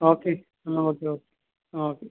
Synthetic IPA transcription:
oke | naokeoke̥ | oke

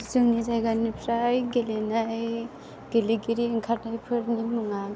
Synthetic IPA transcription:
zɯŋnizajɡanipʰɾajɡelenaj | ɡ̥eliɡiɾiiŋkʰaɾnajpʰɯɾnimɯŋa

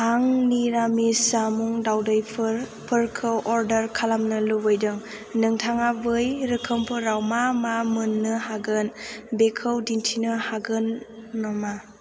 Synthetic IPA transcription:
aŋniɾamisamuŋdawdajpʰɯɾpʰɯɾkʰɯwʔɔɾdɐɾkʰalamnɯlubɯjdɯŋ | nɯŋtʰaŋabɯjɾɯkʰɯmpʰɯɾawmamamɯnːɯhaɡɯnbekʰɯwdintʰinɯhaɡɯnːɔma

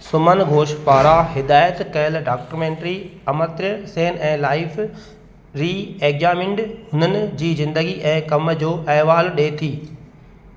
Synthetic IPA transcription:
sʊmənɡʱoːʃpaːɾaɦɪd̪aːjət̪kɐɦəlɖaːk̚ʈəɾmẽːɳʈɾiɐmət̪ɾəseːnɛ̃ːlaːɪf | ɾiːeːkzaːmɪ̃ɳɖɦʊnənɪ̆d͡ʑiːzɪ̃nd̪əɡiʔɛ̃ːkɐmd͡ʑoːʔɛːɦʋaːlɗeːt̪ʰiː

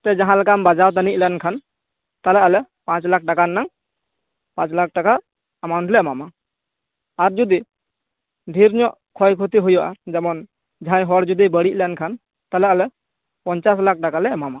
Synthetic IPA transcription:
t̪ɛd͡ʒaɦãlɛkambad͡ʒawt̪̬anic̚lankʰan | t̪alɛalɛ | pãt͡ʃlak̚ʰʈakanːaŋ | pãt͡ʃlak̚ʰʈaka | amawɳʈlɛɛmama | aɾd͡ʒud̪i | dʱiɾɲɔʔ | kʰɔjkʰut̪iɦujɔʔad͡ʒɛmɔn | d͡ʒʱãjɦɔɽd͡ʒud̪ibəɽiʔ̚lɛnkʰan | t̪alɛalɛ | pɔɲt͡ʃaslak̚ʈakalɛmama

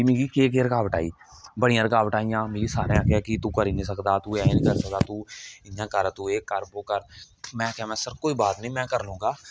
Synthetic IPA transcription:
imeːɡiːkeːk̬eːɾəkaːʋəʈaːḭː | bəɽɪjãːɾəkaːʋəʈaːijãːmeːɾiːsaːɾeãkekit̪ũːkəɾiːnĩːs̬əkd̪aːt̪uːɛːnĩːkəɾsəkd̪aːt̪uːɪjãːkəɾt̪uːeːkəɾboːkəɾ | mɛ̃ːkɛmɛ̃ːsəɾkoːiːbaːt̪nəĩːmɛ̃ːkəɾlõːɡaː

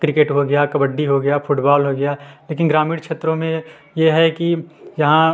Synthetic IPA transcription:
kɾɪkeːʈɦoɡɐjakɐbəɖːiɦoɡɐjafʰʊʈbaːlɦoɡɐjaleːkɪnɡɾaːmiːɽkʃʰeːt̪ɾõmẽ | jeɦɛkijɐɦã

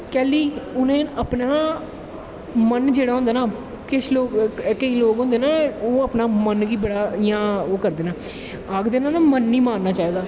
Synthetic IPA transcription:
kɛːliːʊnẽːəpnaː | mənd͡ʒeːɽaːɦʊ̃nd̪aːnaː | kɪt͡ʃʰloːkkəĩːloːkɦõːnd̪eːnaːoːəpnaːmənkiːbəɽaːɪjãːoːkəɾd̪eːnaː | aːɡd̪eːnaːnaːmənːiːmaːɾnaːt͡ʃaːeːɡ̪aː

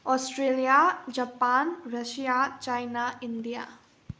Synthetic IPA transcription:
ɔːsʈɾeːlijad͡ʒapaːnɾɐʃijat͡ʃaːɪnaɪnɖ̪ija̰ː

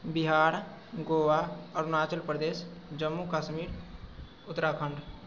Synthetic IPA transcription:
bɪɦaːɾ | ɡoːʋaɔːɾnaːt͡ʃəlpɾəd̪eːsd͡ʒəmːukaːʃmiːɾ | ʊt̪ːɾakʰə̃ɳɖ

